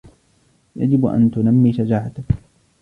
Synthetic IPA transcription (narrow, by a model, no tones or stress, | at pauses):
ja̰d͡ʒɪbʔa̰nt̪ʊnamːiːʃad͡ʒaːʕat̪ak